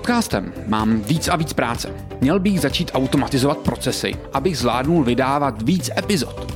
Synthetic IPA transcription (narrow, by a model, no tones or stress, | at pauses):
ot̪kaːst̪ɛ̰mːaːmviːt͡saviːt͡spɾaːt͡sɛ | mɲɛlbɪɣzat͡ʃiːt̪ʔawt̪o̞mat̪ɪzo̞vat̪̚pɾʔo̞t͡sɛsɪ̰ʔabɪɣzvla̰ːdnulvɪdaːvat̪viːt͡sɛpɪzo̞t̪